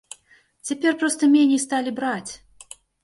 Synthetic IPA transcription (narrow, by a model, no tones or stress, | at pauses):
t͡sʲapʲɛrpɾɔst̪ɐmʲenʲist̪alʲibɾat͡sʲ